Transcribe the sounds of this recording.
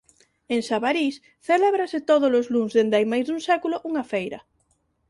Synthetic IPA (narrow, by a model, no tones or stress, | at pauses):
eŋsaβaɾis | θelɛβɾaset̪oðolʊzluŋzðend̪ajmajzðuŋsɛkuloʔuŋafejɾɐ̰